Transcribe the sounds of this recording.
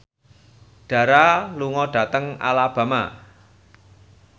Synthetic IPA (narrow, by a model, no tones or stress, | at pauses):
ɖ̥ä̤ɾaluŋɔɖ̥ä̤t̪əŋa̰lab̥a̤ma